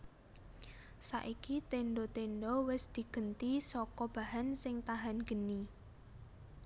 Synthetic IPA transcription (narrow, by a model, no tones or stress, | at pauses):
sa̰ʔikit̪eɳɖot̪enɖɔwɪsd̪̥i̤ɡ̥ə̤nt̪isɔkɔb̥a̤ɦansɪŋt̪aɦanɡ̥ə̤ni